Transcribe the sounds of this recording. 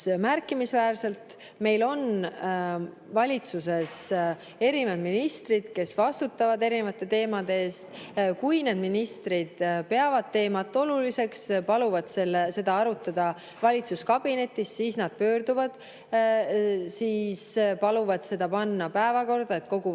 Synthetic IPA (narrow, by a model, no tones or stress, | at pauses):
mærkːˑimisvæːrse̞lt̪ | me̞jlo̞n | vɑlʲit̪suse̞s | e̞ɾivɑd̪̥minist̪rid̪̥ke̞svɑst̪ut̪ːˑɑvɑd̪e̞ɾinevɑt̪ːˑe̞t̪e̞ːmɑd̪̥e̞eːst̪kujne̞ːd̪̚minist̪ɾid̪̥pe̞ɑvɑd̪̥̚t̪e̞ːmɑt̪ːˑo̞lulise̞kspɑluvɑd̪̥se̞lːese̞d̪ɑɑɾut̪ːˑɑd̪̥ɑ | vɑlʲit̪suskɑb̥ine̞t̪ːˑisːiːsnɑd̪̥̚pø̞ːrd̪̥uvɑd̪̥ | siːspɑluvɑd̪̥se̞d̪̥ɑpɑnːɑpæevɑko̞rd̪̥ɑe̞t̪̚ko̞ɡ̥u